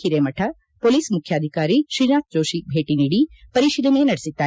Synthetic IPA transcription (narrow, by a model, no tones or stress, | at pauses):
iɾemɐʈʰa | poːliːsmʊkʰjaːd̪ʱɪkaːɾiʃiɾnaːk̪̚d͡ʒoːʃibʱeːʈiniɽipɐɾiːʃid̪umẽnɐɽsɪt̪a